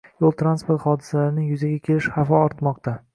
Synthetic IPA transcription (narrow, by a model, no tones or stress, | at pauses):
jolˠt̪ʰɾanspoɾt̪χɒd̪ɪsalaɾɪnɪjʊzaɡʲakʲʰe̞lɪʃhafɒɒɾt̪mɒqt̪a